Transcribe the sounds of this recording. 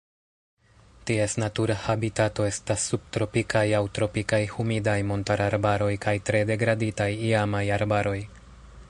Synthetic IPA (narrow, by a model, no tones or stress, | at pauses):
tie̞snatuɾahabitato̞e̞stasːub̚tɾo̞pikajawtɾo̞pikajhumidajmo̞ntaɾaɾbaɾo̞jkajtɾe̞de̞ɡɾaditajiamajaɾbaɾo̞j